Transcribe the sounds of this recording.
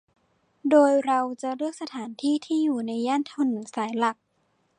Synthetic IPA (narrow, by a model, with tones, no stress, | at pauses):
doː˧jɾa˧wt͡ɕa˨˩ɾɯ˥˩ək̚sa˧t̪ʰaː˩˦nt̪ʰiː˥˩t̪ʰiː˥˩juː˨˩na˧jːaː˥˩nt̪ʰa˧˥˩nːɯ˩˦ŋsaː˩˦jla˨˩k̚